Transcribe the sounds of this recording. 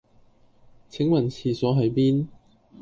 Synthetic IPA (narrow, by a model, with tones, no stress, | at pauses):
t͡sʰɪ˨˥ŋwɐ˨˩nt͡sʰiː˨˩sɔː˨˥ɦɐ˨˧˥jpiː˥n